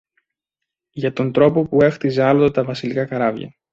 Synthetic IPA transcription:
ʝɐt̪o̞nt̪ɾo̞po̞pue̞xt̪ize̞ɐlot̪ot̪ɐvɐsilikɐkɐɾɐvʝɐ̰

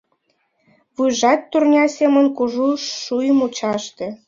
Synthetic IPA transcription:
βujʒɑt̪ːurnʲɑsʲemə̆nkuʒuʃːujəmut͡ɕɑʃt̪ĕ

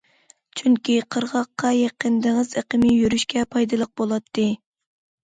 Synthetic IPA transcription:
t͡ʃʰyŋkʲiqʰəɾʁɑqːɑjeqənd̪ɨŋɨzeqəmɪjyɾyʃkʲɛpʰɑjd̪ɨlˠəq̚bolˠɑt̪ʰːɨ

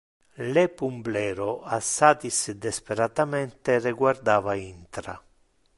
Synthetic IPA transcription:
lepumblɛːɾoasːaːt̪isd̪espeɾat̪amɛnt̪erɪɡward̪aːvaint̪ɾa̰

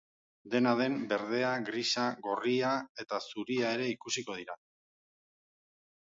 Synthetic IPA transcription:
d̪e̞naðe̞mbe̞ɾð̞e̞aɡɾisaɣo̞riae̞t̪asuɾiae̞ɾe̞ikusiko̞ð̞iɾa

